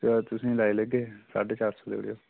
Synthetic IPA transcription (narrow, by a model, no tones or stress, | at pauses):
t̪ʊsĩːlaːiləɡeːsa̰ːɖeːt͡ʃaːɾsoːd̪ḛʋɽḛjo̰ː